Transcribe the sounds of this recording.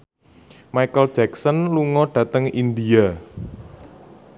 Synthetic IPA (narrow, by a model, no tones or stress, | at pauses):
majkəld̥d͡ʒ̥ɛksənluŋɔɖ̥ä̤t̪əŋind̪ia